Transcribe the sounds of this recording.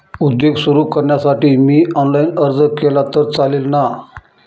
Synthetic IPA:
ud̪joɡsuɾuːkəɾɳjasaʈiːmiːɔnlainəɾd͡zəkelat̪əɾt͡saleːlna

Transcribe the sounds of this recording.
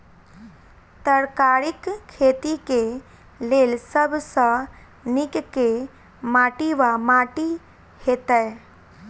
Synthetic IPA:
t̪əɾkaːɾɪkʰːeːt̪ike | leːlsəbʱsa | nɪkke | maːʈiʋamaːʈi | heːt̪ə

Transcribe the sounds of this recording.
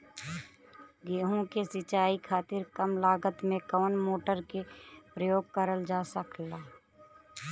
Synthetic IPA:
ɡeːɦõkesɪt͡ʃaːikʰaːt̪ɪɾkəmlaːɡət̪mẽkɔːnmoːʈəɾkepɾəjoːɡ̚kəɾəld͡ʒaːsəklaː

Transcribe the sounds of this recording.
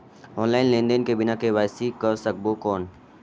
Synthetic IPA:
ɔːnlaːɪnlẽːnd̪enkebɪnakeʋaːsikɐɾsɐk̚bokɔːn

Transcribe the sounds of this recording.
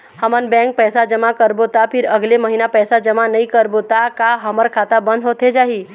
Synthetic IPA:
həmənbɛ̃ŋk̚pɛːsad͡ʒəmakəɾbot̪apʰɪɾəɡleməɦinapɛːsad͡ʒəmanɐĩkəɾbot̪akaɦəməɾkʰaːt̪abə̃nd̪ɦot̪ed͡ʒaːɦi

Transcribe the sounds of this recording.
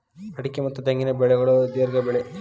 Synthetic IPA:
pɐʈikʲːɐmɐt̪ːɐt̪ːeŋːɐnebeɭeɣɐɭod̪iɾɡɐbeɭe

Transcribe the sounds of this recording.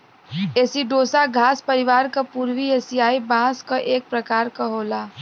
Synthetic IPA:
eːsiɖoːsaɡʱaːspəɾɪʋaːɾkapuːɾwieːsijaːibãːskaʔeːk̚pɾəkaːɾkaɦoːlaː

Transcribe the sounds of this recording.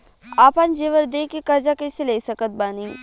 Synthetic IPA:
aːpand͡ʒeʋəɾd̪eːkekɐɾd͡ʒakeseleːsɐkət̪̚baːniː

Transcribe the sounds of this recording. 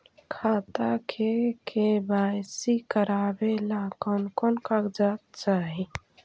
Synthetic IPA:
kʰat̪akʰekʰebajsikəɾabelakɔnkɔnkakd͡ʒat̪t͡ʃaɦi

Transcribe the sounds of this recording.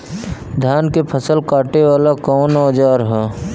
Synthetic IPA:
d̪ʱjaːnkepʰəsəlkaːʈewaːlakɔːnaːd͡ʒaːɾɦɛː

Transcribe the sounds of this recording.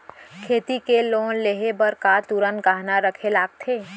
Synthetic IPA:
kʰeːt̪ikeloːnleɦebəɾkat̪uɾənkaɦnaɾəkʰelaːɡ̚t̪ʰeː

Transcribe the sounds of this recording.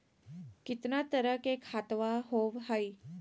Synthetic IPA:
kit̪nat̪əɾəkekʰat̪ʋaɦoʋɦaj

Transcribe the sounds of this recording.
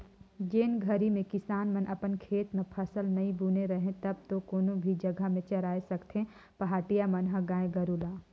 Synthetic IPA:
d͡ʒeːnɡʱɐɾimẽkɪsaːnmənʔɐpənkʰeːt̪mẽpʰɐsəlnɐɦĩbʱuːneɾɐɦẽt̪ɐb̚t̪okoːnõbʱid͡ʒɐɡəmẽt͡ʃɐɾaːesɐkt̪ẽ | pɐɦaːʈijamɐnɦəɡaːẽɡɐɾuːlaː

